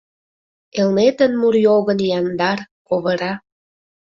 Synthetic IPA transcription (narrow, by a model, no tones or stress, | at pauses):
elnet̪ənmuɾjoɣənjɑnd̪ɑrkoβə̆ɾɑ